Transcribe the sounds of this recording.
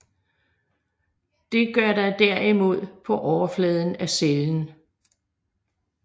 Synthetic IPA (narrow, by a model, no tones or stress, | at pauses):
d̥e̝ɡ̥ɶɐɾɑ̈ɪd̥æɐ̰imo̝ð̞̰ˠpʰɒ̽ʔɒʊɐflɛːð̞ˠn̩æseln̩